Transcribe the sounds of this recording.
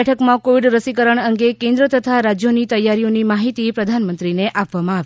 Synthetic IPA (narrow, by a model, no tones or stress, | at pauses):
ɛʈʰəkmãkoʋiɖɾəsikəɾəɳəŋɡekẽnd̪ɾət̪ət̪ʰaɾad͡ʒjonit̪əjːaɾionimaɦit̪ipɾəd̪ʱanmənt̪ɾineʔʔapʋamãaʋ